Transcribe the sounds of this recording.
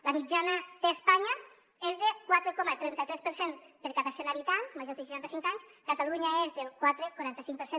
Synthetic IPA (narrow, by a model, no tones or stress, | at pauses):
lamid͡ʒanaðespaɲa | ezðekwat̪ɾekɔmat̪ɾɛnt̪at̪ɾɛspəɾsenpəɾkat̪asenaβit̪anzmaʒoɾðeʃiʃant̪asiŋkaɲskat̪aluɲaezðelˠkwat̪ɾekuɾant̪əsiŋk̚pəɾse